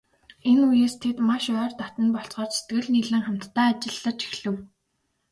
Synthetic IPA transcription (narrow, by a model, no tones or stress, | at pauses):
enujeːst̪ʰet̪maʃœːrt̪at̪ə̆npɔɬt͡sɢɔːrse̥t̪ɡɘ̆ɮniːɮɘ̆ŋχam̥t̪ːæːt͡ɕɪ̆ɮːə̆t͡ɕi̥xɮɘ̆w